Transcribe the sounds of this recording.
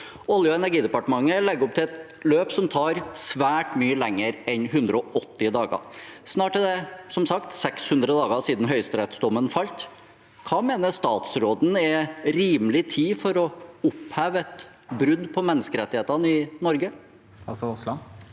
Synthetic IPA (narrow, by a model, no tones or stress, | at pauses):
ɔljʊɛnæɾɡiːd̪ɛpɑʈəmɑŋːəlɛɡːɔp̚t̪ʰɪlɛt̪ | løːpsɔmt̪ʰɑːɾsʋæːʈmyːəlɛŋːəɾɛnɦʉnd̪ɾəɔʔɔt̪ːɪd̪ɑːɡɑ̰snɑːʈəd̪ɛsɔmsɑkt̪sɛkshʉnd̪ɾəd̪ɑːɡəsiːd̪n̩ɦœʏst̪ɾɛt̪sd̪ɔmːənfɑlt̪ | kʰɑːmeːnəst̪ɑːt̪sɾoːd̪n̩ɛɾiːmlɪt̪ʰiːfɔɾɔʊphæːʋɛt̪ | bɾʉd̪pʰɔmɛnːəskəɾɛt̪ːɪheːt̪ɑnɪnɔɾɡə | sslɑ